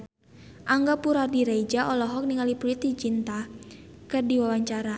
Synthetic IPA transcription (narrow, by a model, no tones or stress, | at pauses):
ʔaŋɡapuɾadiɾaid͡ʒaʔɔlɔɦɔk̚niŋalipɾuit̪id͡ʒint̪akɨrdiwawaɲt͡ʃaɾa